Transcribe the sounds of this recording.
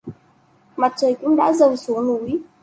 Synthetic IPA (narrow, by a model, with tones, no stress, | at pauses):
ma˨˩t̚t͡ɕəː˨˩jkʊ̰˧˥ŋ͡mɗa̰ː˧˥zə˨˩wsu˨˦nu˧˩˦j